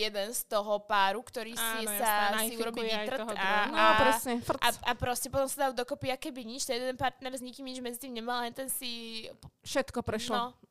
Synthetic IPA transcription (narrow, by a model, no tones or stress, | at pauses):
jɛd̪ɛnst̪ɔɦɔpaːɾukt̪ɔɾiːsɛsasiuɾɔbiʋit̪r̩ɔd̪aapɾɛsɲɛfraapɾɔscɛpɔt̪ɔmsad̪aʊd̪ɔkɔpiakɛbiɲit͡ʃt̪ɛjɛd̪ɛnpaɾt̪nɛɾzɲikiːmɲid͡ʒmɛd͡zit̪iːmɲɛmallɛnt̪ɛnsi | fʃɛt̪kɔpɾɛʃlɔnɔ